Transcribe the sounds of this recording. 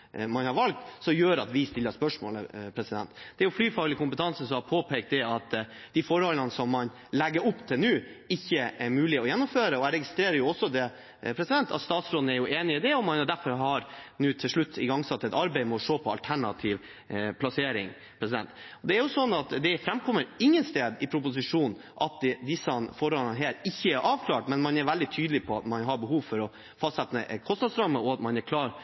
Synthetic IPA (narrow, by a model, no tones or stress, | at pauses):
mɑnhɑɾʋɑlk̚t̪sɔmjøːɾɑt̪ʋɪst̪ɪlːəspœʂmo̰ːlə̰pʰɾɛsɪd̪ɛ̰nt̪d̪̥ɛæɾjʊflyːfɑːɡlɪkʊmpət̪ʰɑnsəsɔhɑɾpʰoːpʰɛk̚t̪̚d̪ɛɑt̪ | d̪̥ɪfɔɾhɔlənəsɔmːɑn | lɛɡːəɾʊpːt̪ʰɪlnʉːɪçːəæɾmʉːlɪɔjɛnːʊmføːɾəɔæɾɛɡɪst̪ɾeːɾəɾjʊɔsːɔd̪ɛ | pʰɾɛsɪd̪ɛnt̪ʰɑ̰t̪st̪ɑːt̪sɾoːd̪n̩æɾjʊʔeːnɪɪd̪ɛɔmːɑnjʊd̪æɾfɔɾɦɑɾnʉːt̪ʰɪlʂɭʉt̪ʰːɪɡɑŋsɑt̪ːɛt̪ɑɾbɛɪmɛɔʂoːpʰɔɑlt̪ʰæɳɑt̪ʰiːʋ | pʰlɑseːɾɪŋ | pʰɾɛs̬ɪd̪ɛ̰nt̪ | ɔd̪ɛæɾjʊsɔnːɑt̪d̪ɛfɾɛmkʰɔmːəɾɪŋːənst̪eːd̪ɪpʰɾʊpʊs̬ɪʂuːn | ʔɑt̪̚d̪ɪsːɑnfɔɾɔlnɦeːɾɪçːəæɾʔɑːʋkʰlɑːʈmɛnmɑnɛɾʋɛld̪ɪt̪ʰyːd̪lɪpʰɔɑt̪mɑnɦɑɾbəɦuːʋfɔɾɔ | fɑst̪sɛt̪nəʔkʰɔst̪nɑːd̪sɾɑmːəɔɑt̪mɑnæɾkʰlɑːɾ